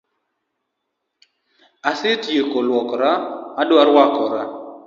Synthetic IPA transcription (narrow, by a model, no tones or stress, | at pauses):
asɪtjekolwɔkɾaadoaɾwakɔɾa